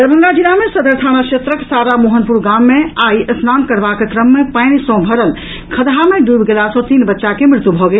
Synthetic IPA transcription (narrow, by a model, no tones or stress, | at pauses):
d̪əbʱənɾad͡ʒinamesəd̪əɾt̪ʰañakʃet̪ɾəksaɾamoɦənpuɾɡamːeaiʔəsnankəɾbakekɾəmːepaɪnsɔ̃bʱəɾəl | kʰəd̪ɦameɖubɡelasɔ̃t̪inbətːʃakemɾɪt̪ubʱɔɡel